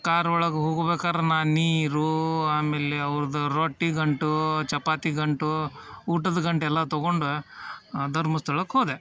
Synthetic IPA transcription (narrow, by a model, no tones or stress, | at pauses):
kaːɾʋɔɭɐɡeɦoːɡɐbeːkaːɾenaːniːɾuaːmeːleɐʋɾɐd̪ɐɾoːʈːiɡɐɳʈut͡ʃɐpaːt̪iɡɐɳʈuuːʈɐd̪ɐɡɐɳʈɛlːɐt̪ɔɡoɳɖu | d̪ɐɾmɐst̪ʰɐɭɐkːɦoːd̪e